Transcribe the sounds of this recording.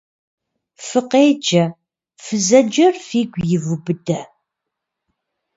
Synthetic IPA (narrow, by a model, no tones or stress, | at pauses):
fəqed͡ʒɐ | fəzɐd͡ʒərfiɡʷjɪvubɨd̪ɐ